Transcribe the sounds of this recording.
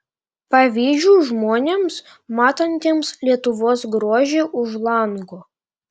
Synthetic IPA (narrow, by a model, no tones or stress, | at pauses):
pɐʋʲiːʒʲuːʒmoːnʲeːms | mɑːt̪ɐnʲt̪ʲeːmslʲiɛt̪ʊʋoːsɡɾoːʒʲeːʔʊʒlˠɐŋɡoː